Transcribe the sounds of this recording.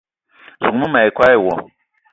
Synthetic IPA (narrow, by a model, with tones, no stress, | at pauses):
zu˨mũ˦ma˨i˨kʷa˦ji˨wɔ˨